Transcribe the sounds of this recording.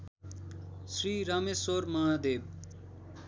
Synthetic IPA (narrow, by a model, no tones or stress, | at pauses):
sɾiːɾaːmeːsoːɾmãːad̪eːb̚